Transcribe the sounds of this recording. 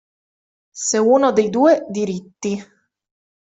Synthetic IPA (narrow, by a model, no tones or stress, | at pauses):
seuːnod̪ejd̪uːed̪iɾit̪ːi